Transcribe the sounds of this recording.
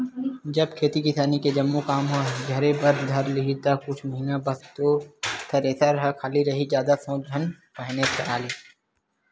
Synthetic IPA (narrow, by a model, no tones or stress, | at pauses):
d͡ʒɐb̚kʰeːt̪ikɪsaːniked͡ʒɐmːukaːmɦoɡʱɐɾebɐɾd̪ʱɐɾlɪɦit̪akʊt͡ʃʰməɦɪnabɐst̪ot̪ʰɐɾeːsəɾɦəkʰaːliɾɐɦid͡ʒjaːd̪asõːd͡ʒʱɐn | pəɦnetəaːliː